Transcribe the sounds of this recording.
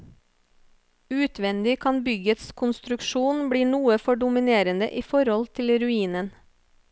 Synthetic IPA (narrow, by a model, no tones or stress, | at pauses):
ʉːt̪ʰʋɛnd̪ɪkʰɑnbʏɡət̪skʰʊnst̪ɾʉkʃuːnbɽiːɳuːəfɔɖʊmɪneːɾənd̪ə̰ʔiːfɔɾhɔlt̪ʰɪlɾʉiːnən